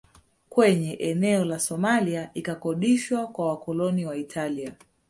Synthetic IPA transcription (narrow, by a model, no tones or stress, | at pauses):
kwɛɲɛʔɛnɛɔlasɔmaliaʔikakɔɗiʃwakwawakɔlɔniwaitʰalia